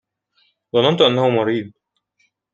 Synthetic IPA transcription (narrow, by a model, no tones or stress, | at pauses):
ðˤɑlɑnt̪ʔanːahʊmɑɾiːd̪̚ˤ